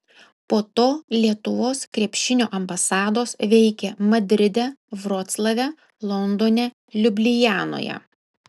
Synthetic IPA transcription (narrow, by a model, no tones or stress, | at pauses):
poːt̪oːlʲiɛt̪ʊʋoːskɾʲɛpʲʃʲɪnʲoːʔɐmbɐsɑːd̪oːsʋʲɛɪkʲɛmɐd̪ʲɾʲɪd̪ʲɛʋɾoːt̪slˠɐʋʲɛ | lˠɔnd̪oːnʲɛ | lʲʊbʲlʲɪjæːno̰ːjɛ̰